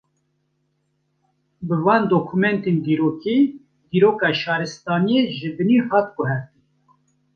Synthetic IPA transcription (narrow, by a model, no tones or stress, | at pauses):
bɨvɑːnd̪oːkʰumɛnt̪eːnd̪iːɾoːkʰeː | d̪iːɾoːkɑːʃɑːɾɨst̪ɑːnijeʒɨd̪ɨniːhɑːt̪̚ɡʊɦɛɾt̪in